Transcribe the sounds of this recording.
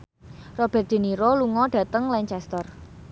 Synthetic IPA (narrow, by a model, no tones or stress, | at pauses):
rɔb̥ɛ̤rt̪̚d̪̥e̤niɾoluŋɔɖ̥ä̤t̪əŋlɛɲt͡ʃɛst̪ər